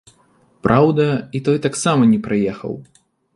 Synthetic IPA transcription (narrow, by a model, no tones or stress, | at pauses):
pɾʔawd̪ɐit̪ɔjt̪aksamɐnʲɛpɾajɛxɐ̰w